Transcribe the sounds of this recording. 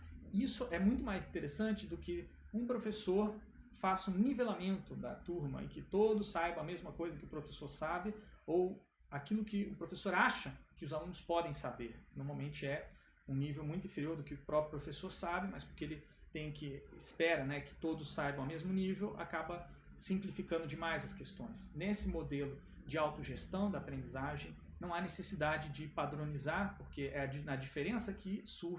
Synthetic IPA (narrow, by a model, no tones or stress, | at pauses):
isʊʔɛmũj̃t̪ʊmajzĩt̪eɾesɐ̃nt͡ʃɪd̪ʊkɪ | ũpɾofesoɾ | fasũnivelamẽnt̪ʊd̪ɐ̰t̪uɾmɐ̰ɪ̰kɪt̪od̪ʊsːajbɐ̃ɐmezmɐkojzɐkɪʊpɾofesoɾsabɪow | akilʊkɪʊpɾofesoɾaʃɐkɪʊzalũnʊspɔd̪ẽj̃sabeɾnoɾmawmẽnt͡ʃɪɛ | ũnivewmũj̃t̪ĩfeɾioɾd̪ʊkɪʊpɾɔpɾjʊpɾofesoɾsabɪmɐspo̥ɾkeelɪ | t̪ẽj̃kɪɪspɛɾɐnɛkɪ̥t̪od̪ʊsːajbɐ̃w̃awmezmʊnivewa̰kabɐ | sĩmplifikɐ̃nd̪ʊd͡ʒɪmajzɐskest̪õj̃snesɪmod̪elʊ | d͡ʒɪawt̪ʊʒest̪ɐ̃w̃d̪ɐaːpɾẽnd͡ʒizaʒẽj̃ | nɐ̃w̃anesesid̪ad͡ʒɪd͡ʒɪpad̪ɾõnizaɾpoɾkeɛɐd͡ʒnɐd͡ʒifeɾẽsɐkʰɪsu